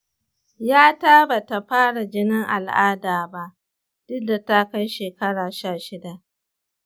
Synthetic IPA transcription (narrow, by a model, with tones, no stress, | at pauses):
jaː˦taː˦ba˨ta˨ɸaː˦ɽa˨d͡ʒɪ˦nɪ˦ŋʔa˨lʔaː˦daː˨ba˦ʔ | d̥ʊ˦dːa˨ta˦ka˦jʃeː˨kɐ˦ɽaː˨ʃaː˦˨ʃɪ˦da˨ʔ